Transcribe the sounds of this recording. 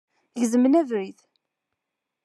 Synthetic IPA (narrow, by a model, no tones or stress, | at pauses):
ʝzəmənævɾiθ